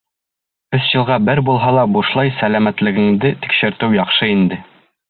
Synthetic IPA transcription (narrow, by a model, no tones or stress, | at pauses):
ɵsʑɤ̆lˠʁɑbɘɾbulˠɦɑlˠɑbuʃlˠɑjsælæmæt̪lɘ̆ɡɘ̆ŋd̪ɘt̪i̥kʃɘ̆ɾt̪ɘwjɑχʃɤind̪ɘ